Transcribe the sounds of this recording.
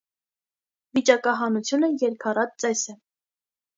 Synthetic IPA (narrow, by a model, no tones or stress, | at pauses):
vit͡ʃɑkɑɦɑnut͡sʰjunəjɛɾkʰɑɾɑt̪̚t͡sɛsɛ